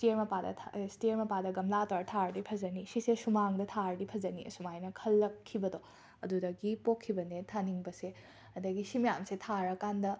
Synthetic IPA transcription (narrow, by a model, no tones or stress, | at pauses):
stiɾmɐpadɐ̰stiɾmɐpadɐɡɐmlataɾtʰaɾdipʰɐzɐnisisesumaŋdɐtʰaɾdipʰɐzɐniʔɐ̰sumajnɐkʰɐlːɐkʰːibɐdo | ɐ̰dudɐɡipokʰːibɐnetʰaniŋbɐse | ɐdɐɡisimɐjamsetʰaɾɐkandɐ